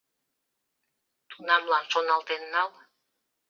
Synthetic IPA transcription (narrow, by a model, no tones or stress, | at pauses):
t̪unɑmlɑnʃonɑlt̪enːɑl